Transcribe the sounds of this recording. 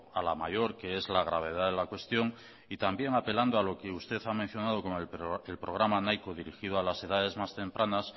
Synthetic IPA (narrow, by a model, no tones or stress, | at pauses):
ala̰maʝo̞ɾke̞e̞zlaɣ̞ɾaβ̞e̞ð̞aðe̞lakwe̞st̪jo̞ŋ | it̪ambje̞ŋape̞land̪oalo̞ke̞ust̪e̞θamẽn̟θjonað̞o̞ko̞moeelpɾo̞ɣɾamanajkoðiɾixið̞oalase̞ðaðe̞zmast̪e̞mpɾʔanas